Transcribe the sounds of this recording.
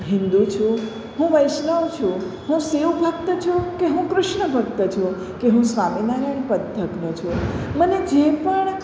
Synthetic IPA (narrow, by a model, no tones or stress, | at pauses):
ɦɪ̃nd̪ut͡ʃʰu | ɦũʋəjʃnəʋt͡ʃʰũ | ɦũseʋbʱək̚t̪ət͡ʃʰukeɦũkɾʊʃɳəbʱək̚t̪ət͡ʃʰũ | keɦũsʋaminaɾəɳpəd̪ʱəknot͡ʃʰũməned͡ʒepəɳ